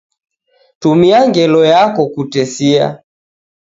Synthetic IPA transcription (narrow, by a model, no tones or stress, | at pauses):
tumiaŋɡɛlɔjakɔkutɛsia̰